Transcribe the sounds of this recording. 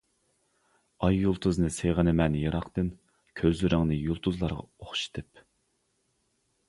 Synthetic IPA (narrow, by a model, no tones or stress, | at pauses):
ɑjːulˠt̪ʰuznɨseʁənɪmɛnjɨɾɑqt̪ɨn | kʲʰøzlɪɾɪŋnɨjulˠt̪ʰuzlˠɑɾʁɑ̰oχʃi̥t̪ʰɨp